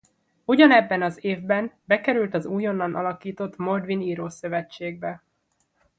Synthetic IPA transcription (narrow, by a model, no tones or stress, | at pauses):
uɟɒnɛbːɛnɒzeːvbɛnbɛkɛɾylt̪ɒzuːjo̞nːɒnʔɒ̰lɒkiːt̪o̞t̪mo̞rd̪ʋiniːɾoːsø̞vɛt͡ʃːeːɡ̚bɛ